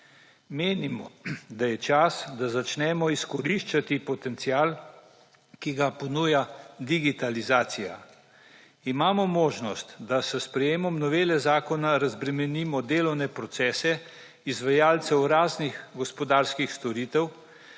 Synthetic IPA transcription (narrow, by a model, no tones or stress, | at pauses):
meːnimɔ̰d̪ajɛt͡ʃasd̪azat͡ʃnɛːmɔiskɔɾiʃt͡ʃat̪ipɔt̪ɛnt̪siaːl | kiɡapɔnuːjad̪iɡit̪alizaːt̪sija̰ | imaːmɔmoːʒnɔst̪d̪asɛspɾɛjeːmɔmnɔʋeːlɛzaːkɔnaɾazbɾɛmɛniːmɔd̪eːlɔwnɛpɾɔt̪sɛːsɛ | izʋajaːlt̪sɛwɾaːznixɡɔspɔd̪aːɾskixst̪ɔɾiːt̪ɛw